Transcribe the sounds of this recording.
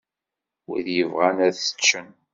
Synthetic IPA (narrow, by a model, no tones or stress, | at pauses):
ḭðjəvʁænæðə̥t͡ʃːən